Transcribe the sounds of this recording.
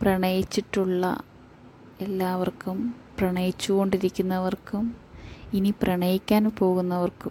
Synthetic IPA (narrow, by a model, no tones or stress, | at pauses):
prɐɳɐjit͡ɕːiʈːuɭːɐ̰ | elːaːʋɐrkumprɐɳɐjit͡ɕːuɣo̞ɳɖiɾikʲːunːɐʋɐrkuminiprɐɳɐjikʲːaːnpo̞ːɣunːɐʋɐrkum